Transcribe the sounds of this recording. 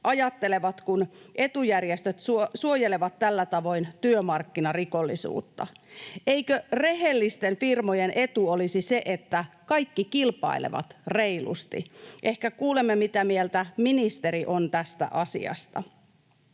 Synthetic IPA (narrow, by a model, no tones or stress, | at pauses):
ʔɑjɑt̪ːe̞le̞ʋɑt̪kunʔe̞t̪ujærjest̪øt̪susuojeleʋɑt̪ːælːæt̪ɑʋo̞jnt̪yømɑrkːinɑriko̞lːisṵːt̪ːɑ̰ʔe̞jkøre̞ɦe̞lːist̪enfirmojenʔe̞t̪uolisise̞ʔet̪ːækɑjkːikilpɑ̰ilḛʋɑ̰t̪re̞ilṵst̪ḭʔe̞hkækuːle̞mːemit̪æmielt̪æminist̪e̞ɾiʔo̞nt̪æst̪æ̰ʔɑsḭɑ̰st̪ɑ̰